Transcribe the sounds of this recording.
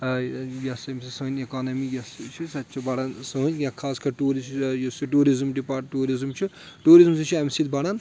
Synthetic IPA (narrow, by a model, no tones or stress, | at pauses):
jɐsɐmsisɐnʲekaːnɐmijɐst͡ʃʰisɐt̪ːt͡ʃʰibɐɽansɐɦunʲjãkʰaːskʰɐɾʈuːɾisjosiʈuːɾizmɖipaːʈʈuːɾizmt͡ʃʰi | ʈuːɾizmsit͡ʃʰiɐmsit̪̚bɐɽan